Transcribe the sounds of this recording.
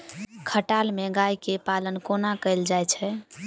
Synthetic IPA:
kʰəʈalmeɡajkepalənkonakəɪld͡ʒajt͡ʃʰɛ

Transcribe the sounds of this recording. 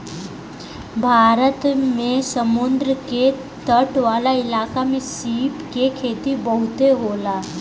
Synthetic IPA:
bʱaɾət̪mesəmund̪ɾəke | t̪əʈʋalailakamesipkekʰet̪iːbəɦut̪eɦola

